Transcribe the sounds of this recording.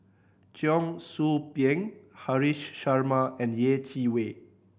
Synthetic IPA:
t͡ʃjɔŋsupjeŋhaɾiʃːaɾmaɛ̃ndjet͡ʃiwe

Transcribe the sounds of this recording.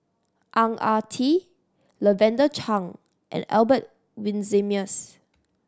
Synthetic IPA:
ʔãŋatʰi | ləvɛ̃ndət͡ʃʰãŋ | ʔɛ̰̃nɛ̰lbət̚ | wĩnzimiəs

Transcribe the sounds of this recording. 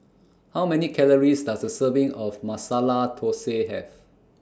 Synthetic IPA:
hawmɛnikʰɛləɹisdasdəsəvɪ̃ŋɔfmasalatʰoseɦɛ̰v

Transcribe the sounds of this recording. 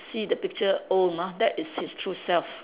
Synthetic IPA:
sidəpɪk̚t͡ʃəomadɛtɪshistʰɹusɛlf

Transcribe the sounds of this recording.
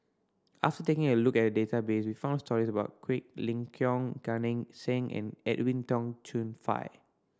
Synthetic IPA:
ʔa̰ftətekɪ̃ŋəlukɛt̚dədetabeswifãʊ̃nstɔɹisəbaʊt̚kʰwik̚lĩŋkʰjɔ̃ŋɡanĩŋsɛ̃ŋʔɛ̰̃nɛ̰twĩntɔ̃ŋtʰũnfa̰ɪ

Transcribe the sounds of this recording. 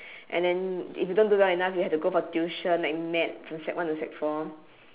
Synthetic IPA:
ʔɛ̰̃ndɛ̃nḭfjudõndudaɛnafjihɛftuɡofɔtjuʃənlaɪk̚mɛt̚fɹɔ̃msɛ̰k̚wãntusɛk̚fɔm

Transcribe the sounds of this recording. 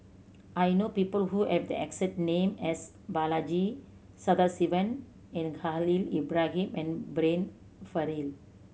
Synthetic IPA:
ajnoːpiːpəlhuhɛʋd̪ə̰ɛ̰ksɛ̃ʈnẽːmɛs | balad͡ʒi | sad̪asiʋə̃n | ɛ̃nɡalilibɾaɦĩmɛ̃nbɾẽn | fəɾil

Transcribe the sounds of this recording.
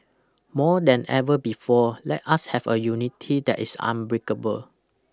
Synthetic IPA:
mɔdɛ̃nɛvəbifɔlɛ̰t̚ashɛvəjunitʰidɛ̰tisã̰nbɹikəbəl

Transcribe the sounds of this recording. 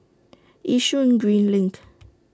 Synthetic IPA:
ʔiʃuĩŋɡɹĩnlɪ̃ŋk

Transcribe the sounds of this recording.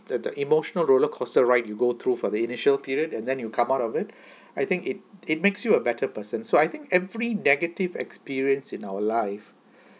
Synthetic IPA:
d̪əʔimoʃənəlɹoləkʰɔstəɹaɪt̚juɡot̪ʰɹufɔd̪əinɪʃəlpiɹiədɛ̃ndɛ̃njukʰãmaʊtɔvɪt̚ | ajt̪ɪ̃ŋkɪt̚ɪt̚meksjuəbɛtʰəpəsə̃nsoajt̪ɪ̃ŋkɛvɹinɛɡətivɛ̰kspiɹiə̃nsɪ̃naʊəlaɪf

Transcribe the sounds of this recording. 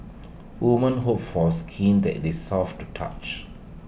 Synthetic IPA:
wumə̃nɦopfɔskʰĩnd̪ɛ̰ʔdesɔftutʰa̰t͡ʃ

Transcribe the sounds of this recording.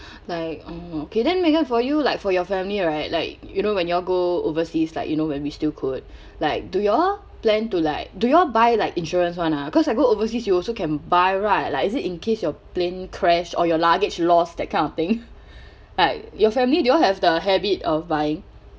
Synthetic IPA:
laɪk̚ookʰedɛ̃nmekə̃tfɔjulaɪkfɔjɔfɛ̃mliɹaɪt̚laɪk̚junowɛ̃njuɔɡoo̰vəsislaɪkjunowɛ̃nwistilkʰud̚ | laɪk̚dujɔ | plɛ̃ntulaɪk̚dujɔbaɪlaɪkĩnʃɔɹə̃ns̬wãnakɔsaɪɡoovəs̬isjuɔlsokɛ̃nbaɪɹaɪtlaɪkɪsɪtĩnkʰesjɔplẽnkʰɹɛʃɔ̰jɔlaɡɪt͡ʃlɔsdɛt̚kʰãnɔt̪ɪ̃ŋ | laɪk̚jɔfɛ̃mlidujɔlɦɛvdəɦɛbitɔfbaɪɪ̃ŋ

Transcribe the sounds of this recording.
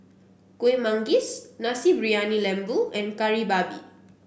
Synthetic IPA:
kuemãŋɡisnasibɹianilɛ̃mbuɛ̃nkaɹibabḭ

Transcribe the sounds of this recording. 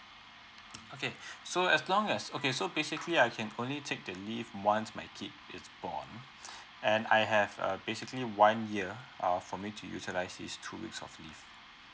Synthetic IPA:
okesoɛslɔ̃ŋɛsokesobesɪkliaɪkʰɛ̃nõnlitʰek̚dəlifwãnsmaɪkʰip̚ɪsb̥ɔ̰n | ɛ̃na̰jɦɛvʌ̰besɪkliwãnjiəʌfɔmitʰujṵtilaɪsdḭstʰuwḭksɔ̰flḭf

